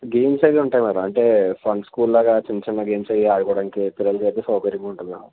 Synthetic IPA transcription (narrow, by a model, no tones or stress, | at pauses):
ɡeːmt͡ʃɐjɡeuɳʈaːjimaːɾuɐɳʈe̞ːfʰɐnskuːllaːɡaːt͡ʃinɐt͡ʃinːɐɡeːmsɐjiaːɽukɔɽaːnikipiɾɐlukɐjt̪eːsɔːkɐɾiŋkuɳʈunːaːmu